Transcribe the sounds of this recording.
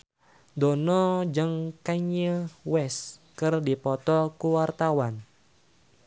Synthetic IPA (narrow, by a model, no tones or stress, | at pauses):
dɔnɔd͡ʒɨŋkaɲəwɛskɨrdipɔt̪ɔkuwart̪awan